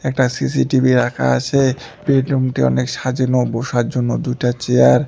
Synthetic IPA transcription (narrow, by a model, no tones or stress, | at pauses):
ɛk̚ʈasisiʈibiɾakʰa̰aʃʰe | beɖumʈiɔ̰nekʃad͡ʑinoboʃaɾd͡ʑonːod̪ujʈat͡ɕeaɾ